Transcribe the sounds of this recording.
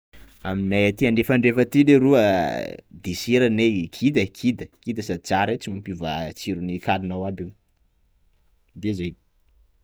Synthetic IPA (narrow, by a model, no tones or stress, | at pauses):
aminajat̪iaɳɖ͡ʐefaɳɖ͡ʐefət̪ileɾuə | d̪isiɾanekʰid̪əkʰid̪əkid̪əsat͡saɾet͡simumpivat͡siɾunikalinawabi | d̪ezej